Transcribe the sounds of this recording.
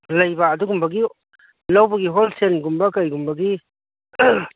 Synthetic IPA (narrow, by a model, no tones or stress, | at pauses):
lɐjbaːduɡumbɐɡi | lawbɐɡiɦolsenɡumbɐkɐjɡumbɐɡi